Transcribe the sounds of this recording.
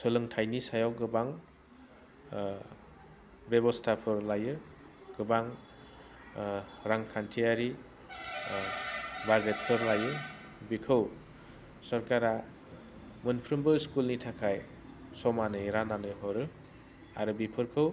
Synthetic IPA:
sɯlɯŋtʰajnisajawɡɯbaŋ | bebɔstʰapʰɯɾlajɯ | ɡ̥ɯbaŋ | ɾaŋkʰantʰiaɾi | baɾɡet̚pʰɯɾlajɯ | bikʰɯw | sɔɾkaɾa | mɯnpʰɾɯmbɯskulnitʰakʰaj | sɔmanɯjɾananɯjɦɔɾɯ | a̰ɾɯbipʰɯɾkʰɯw

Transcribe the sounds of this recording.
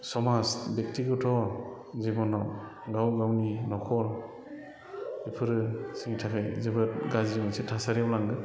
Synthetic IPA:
sɔmasbek̚tiɡɯtʰɔ | zibɔnaw | ɡawɡawninɔkʰɔɾ | ipʰɯɾɯsɯŋtʰakʰɯjzebɯt̚ɡazizimansitʰasaɾiawlaŋɡɯ

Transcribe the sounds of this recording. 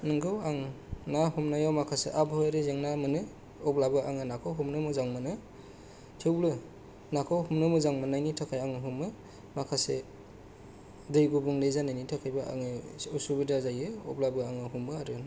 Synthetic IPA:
nɯŋɡɯwaŋnahumnajawmakʰasḛʔabhɔjɾezeŋnamɯnɯ | ɔblabɯaŋɯnakʰowɦumnɯmɯzaŋmɯnɯ | tʰiwblɯ | nakʰowhumnɯmɯzaŋmɯnajnitʰakʰajaŋɯɦumɯ | makʰase | dɯjbubuŋlezanajnitʰakʰajbaa̰ŋɯusubidazajɯɔ̰blabɯaŋɯɦumɯaɾɯ

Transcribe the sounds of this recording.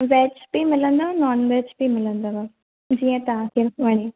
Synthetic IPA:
ʋɛːt͡ɕbimɪlə̃nd̪anɔːnʋɛːt͡ɕbimɪlə̃nd̪aʋa | d͡ʑiːə̃t̪ɐʋãk̪ʰiʋɐɽ̃i

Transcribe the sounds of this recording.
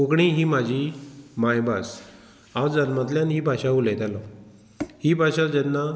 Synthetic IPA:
okɳiːɦiːmad͡ʑʱiːmajbas | ad͡zanmãt̪ljanɦiːbʱaɕaulɛt̪alɔ | hiːbʱaɕad͡ʑɛnːa

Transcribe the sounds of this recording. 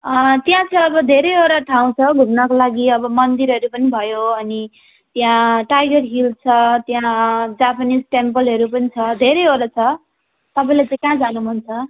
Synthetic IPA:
ʌt̪jãt͡sʰʌʌbʌd̪ʱeɾʌjoɾaʈʰaw̃t͡sʰʌɡʱumnʌkolaɡiʌbʌmʌnd̪iɾʌɾupʌnibʱʌjoʌni | t̪jãʈajɡʌrɦilt͡sʰʌt̪jãd͡zapanid͡zʈempʌlɦʌɾupʌnit͡sʰʌd̪ʱeɾʌjoɾat͡sʰʌ | t̪ʌpãĩlat͡sʌ̃ĩkãd͡zanuɦunt͡sʰʌ

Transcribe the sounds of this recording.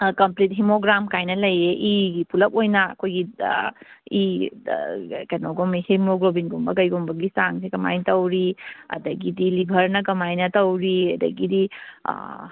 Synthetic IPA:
kɐmplit̚ɦimoɡɾamkajnɐlɐjeʔiɡipulɐk̚ojnɐɐ̰kʰojɡi | i | kenoɡɔmihemoɡɾobinɡumbɐkɐjɡumbɐɡisaŋsikɐma̰jtɐwɾiɐ̰dɐɡidilibʱɐɾnɐkɐmajnɐtɐwɾiɐdɐ̰ɡidḭ

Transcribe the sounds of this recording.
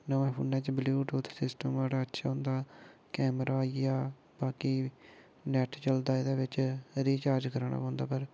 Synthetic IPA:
nəʋãːpʰuːnːɛ̃ːt͡ʃbljuːʈoːt̪ʰsɪsʈəmʋaːɽaːətːʃʰaːɦʊ̃nd̪aːkɛːmɾʔaːjaː | baːkiː | nɛːʈt͡ʃəld̪aːed̪aːʋɪt͡ʃɾiːt͡ʃaːɾd͡ʒkəɾɳa̰ːpãːnd̪a̰ːpəɾ

